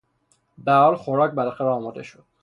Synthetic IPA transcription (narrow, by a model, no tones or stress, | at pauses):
bæhɒːlxoɾɒːc̚bælɒxæɾæɒːmɒd̪e̞ʃod̪̥